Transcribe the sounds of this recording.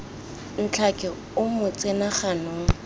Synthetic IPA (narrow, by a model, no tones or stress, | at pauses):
n̩t͡ɬʰakʼɪ | ʊmʊt͡sʼenaχanʊːŋ̩